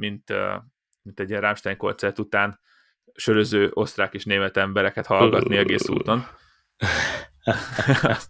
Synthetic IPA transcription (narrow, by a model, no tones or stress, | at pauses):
mint̪ | mint̪ɛɟːiɛnraːmʃt̪aːɲko̞rt̪sɛrt̪ut̪aːn | ʃøɾøzøːʔo̞st̪raːkeːʃneːmɛt̪ɛmbɛɾɛkɛt̪hɒllɡɒ̰t̪niɛɡeːsṵːt̪o̞n